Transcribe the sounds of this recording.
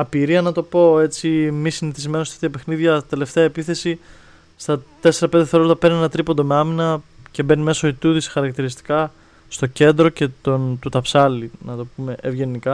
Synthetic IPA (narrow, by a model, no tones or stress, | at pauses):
ɐpiɾiɐnɐt̪o̞po̞e̞t͡simisiniθizme̞not̪ɐ̥ft̪iɐpe̞xniðʝɐt̪e̞le̞ft̪e̞ɐepiθe̞si | st̪ɐt̪e̞se̞ɾɐpnd̪eθeɾolt̪ɐpe̞ɾninenɐt̪ɾipo̞nd̪o̞me̞ɐminɐce̞be̞nime̞so̞it̪uðisxɐɾɐkt̪iɾist̪i̥kɐ | st̪o̞ce̞nd̪ɾo̞ce̞t̪ont̪ut̪ɐpsɐlinɐt̪o̞pume̞ʔevʝe̞nikɐ